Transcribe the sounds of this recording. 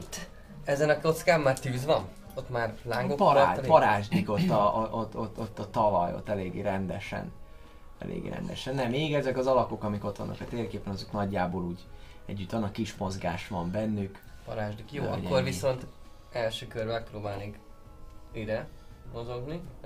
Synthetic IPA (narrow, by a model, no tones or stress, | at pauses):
t̪ː | ɛzɛnɒko̞t̪skaːmːaːrt̪yːzʋɒn | ot̪ːmaːrlaːŋɡokpɒɾːpɒɾaːʒd̪iko̞t̪ːɒʔoʔ̪ot̪ːot̪ːɒt̪ɒlɒjo̰t̪ːɛleːɡeːɾɛnd̪ɛʃɛ̰n | ɛ̰lʔḛːɡḛːɾɛ̰nd̪ɛ̰ʃɛnːɛmeːɡɛzɛkɒzɒlɒkokɒmiko̞t̪ʋɒ̰nːɒ̰kɛt̪eːrkeːpɛnɒzøknɒɟːaːboːluːɟ | ɛɟːyt̪ʋɒnɒkiʃmo̞zɡaːʃʋɒmbɛnːyk | pɒ̰ɾaːʒd̪ikjoːɒ̰orvisso̞nt̪ | ɛlʃøːkørbɛk̚proːbaːlneːk | iɾɛmo̞zo̞ɡni